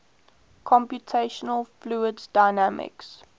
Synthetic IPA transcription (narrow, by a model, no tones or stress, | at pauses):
kʰɔ̃mpjutʰeɪʃənəlˠfluːəddaɪnæmɪ̰ks